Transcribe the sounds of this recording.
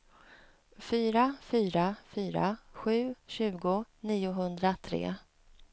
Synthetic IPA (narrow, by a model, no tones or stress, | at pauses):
fyːɾafyːɾafyːɾa̰ɧʉ̟ːɕʉ̟ːɡʊniːʊɦɵnd̪ɾat̪ʰɾḛː